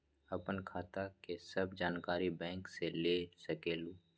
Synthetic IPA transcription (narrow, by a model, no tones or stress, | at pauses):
ɐpənkʰaːt̪akesəbd͡ʒaːnkaːɾibɛ̃ːŋkseleːsɐkeːluː